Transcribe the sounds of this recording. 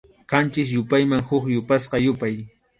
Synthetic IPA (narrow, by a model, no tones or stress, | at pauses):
qɑnt͡ʃɪs̬jʊpajmaŋhʊχjʊpasqɑjʊpaj